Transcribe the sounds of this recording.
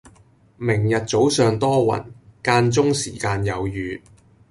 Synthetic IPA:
mɪ˨˩ŋjɐ˨t̚t͡so˨˥wsœː˨ŋt̪ɔː˥wɐ̰˨˩nkaː˧nt͡sʊ˥ŋsḭː˨˩kaː˧njɐ˨˧wjyː˨t̚

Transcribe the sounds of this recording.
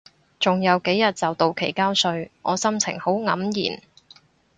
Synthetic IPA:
t͡sʊ˨ŋjɐ˨˧wke˨˥jjɐ˨t̚t͡sɐ˨wt̪o˨wkʰe˨˩jkaː˥wsɵ˧ɥʔɔ̰ː˨˧sɐ˥mt͡sʰɪ̰˨˩ŋho˨˥wŋɐ˨˥mjḭː˨˩n

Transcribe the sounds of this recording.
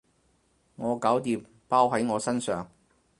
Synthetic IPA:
ŋɔː˨˧kaː˨˥wt̪iː˨p̚ | paː˥wɦɐ˨˥jŋɔː˨˧sɐ˥nsœː˨ŋ

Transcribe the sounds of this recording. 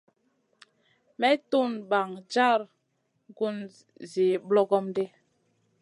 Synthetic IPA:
mɛ˦tu˦˨nba˨ŋd͡ʒa˦˨ɾ | ɡu˦n | zi˨blɔ˦ɡɔ˦mde˦

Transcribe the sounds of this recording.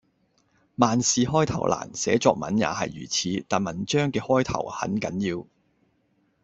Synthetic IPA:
maː˨nsiː˨ɦɔː˥jt̪ʰɐ̰˨˩wlʔa̰ː˨˩nsɛː˨˥t͡ʃɔː˧k̚mɐ̰˨˥nja̰ː˨˧hɐ˨jːyː˨˩t͡sʰiː˨˧˥t̪aː˨˩nmɐ˨˩nt͡ʃœː˥ŋkɛː˧hɔː˥jt̪ʰɐ̰˨˩whɐ̰˨˥nkɐ˨˥njiː˧w

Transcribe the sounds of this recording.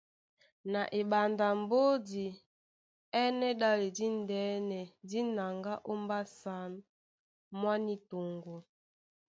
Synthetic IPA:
na˨ʔe˨ɓa˨nda˨m˦bo˦di˨ | ɛ˦nɛ˦ɗa˦le˨di˦ndɛ˨˦nɛ˨di˦na˨ŋɡa˦ʔo˦mba˦sa˨˦n | mwa˦ni˦to˨ŋɡo˨

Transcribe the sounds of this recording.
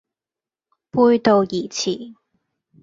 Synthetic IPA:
puː˧jt̪o˨˧wjiː˨˩t͡sʰiː˨˩˦

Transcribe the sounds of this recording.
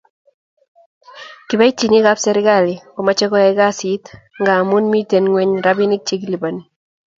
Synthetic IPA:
kiba˦i˦t͡ʃi˨ɲi˦ka˦psɛɾɪ˦ɡa˨lɪ˨kɔ˨ma˦t͡ʃɛ˦kɔ˦ɛɡa˦sit̪ | ŋɡa˨mu˦nmi˦te˨nŋwe˦ɲɾabi˦nɪ˦k̚t͡ʃe˦kili˨ba˨ni

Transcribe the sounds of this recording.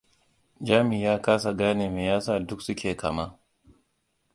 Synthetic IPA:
d͡ʒaː˦mi˨jaː˦kaː˦s̬a˨ɡaː˦ne˨me˨jaː˦saː˦˨dʊ˦ksʊ˦kʲeː˨kʰa˨ma˦

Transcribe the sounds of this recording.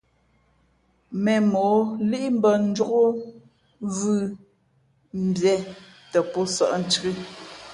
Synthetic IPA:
mɛ˨mo˨˦li˦ʔi˦m̩˦bə˨n̩˦d͡ʒo˦ɣo˦ | vɯ˦˨ | m̩˨bjɛ˨˦ | tə˨pɔ˦sə̰˦˨ʔn̩˦t͡ʃɣi˦

